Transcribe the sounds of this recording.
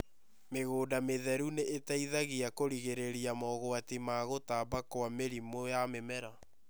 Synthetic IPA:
meɣoːdameðɛɾuneʔetaiðaɣiakoɾiɣeɾeɾiamɔɣoatimaɣotaːbakowameɾimojamemɛɾa

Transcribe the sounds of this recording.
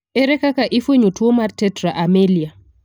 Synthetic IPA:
eɾɛkakaʔɪfeɲotwomartɛtɾaʔamelia

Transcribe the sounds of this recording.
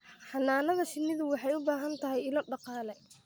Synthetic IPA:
ħɑnaːnɐðɐʃɪnːɪðʊwɑħɑjʊbaːɦɐnt̪ʰɐɦɛjɪlɔɖɑqɑːlɛ

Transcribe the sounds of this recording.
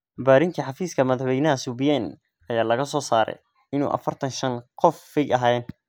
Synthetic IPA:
baːɾɪŋk̪ʰɐħɑfiːskʰɐmɐðɑħwɛjnɐɦɐsubijɛn | ʔɐjaːlɐɣɐsɔːsaːɾɛ̰j | ɪnṵːʔɐ̰fɐrt̪ʰɐnʃɐnqɔfːɪɡɐɦaːɛn

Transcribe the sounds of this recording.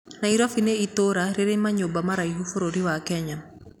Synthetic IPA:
naiɾɔfineitoɾaɾeɾeɲmaɲobamaɾajɦufoɾoɾiwakɛɲam

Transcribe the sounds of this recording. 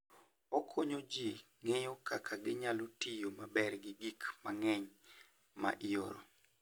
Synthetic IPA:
ɔkʰoɲod͡ʒi | ŋejokakʰaɡɪɲalotijomabɛrɡɪɡikmaŋɛɲ | ma̰ʔɪo̰ɾo̰

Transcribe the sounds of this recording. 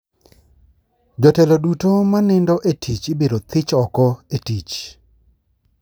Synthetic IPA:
d͡ʒɔtɛlɔdutomanɪndɔʔetʰit͡ʃɪbeɾot̪ɪt͡ʃɔkɔetit͡ʃ

